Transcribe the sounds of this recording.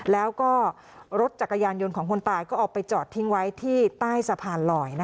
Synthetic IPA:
lɛː˦˥wkɔː˥˩ | ɾo˦˥t̪̚t͡ɕa˨˩kːa˧jaː˧njo˧nkʰɔː˩˦ŋkʰo˧nt̪aː˧jkɔː˥˩ʔɔː˨˩k̚pa˧jt͡ɕɔː˨˩t̪ʰːi˦˥ŋwa˦˥jt̪ʰiː˥˩t̪aː˥˩jsa˧pʰaː˧nlɔː˨˩jna˦˥

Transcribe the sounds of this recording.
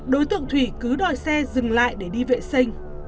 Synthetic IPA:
ɗo˨˦jt̪ɨ̰˧əŋt̪ʰwi˧˩kɨ˨˦ɗɔ˧˨jsɛ˧zɨ˨˩ŋla̰ː˧˨jɗe˧˩ɗi˧vḛ˧˨sə˧jŋ̟

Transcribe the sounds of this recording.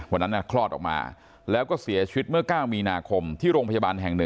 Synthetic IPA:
wa˧˩nːa˦˥nːʔa˥˩kʰlɔː˥˩t̪̚ɔ̰ː˨˩k̚ma̰ː˧ | lɛː˦˥wkɔː˥˩si˨˩˦ɐt͡ɕʰi˧wi˦˥t̪̚mɯ˥˩ɐkaː˥˩wmiː˧naː˧kʰo˧mt̪ʰiː˥˩ɾoː˧ŋpʰa˧ja˧baː˧nɦɛ˨˩ŋnɯ˨˩

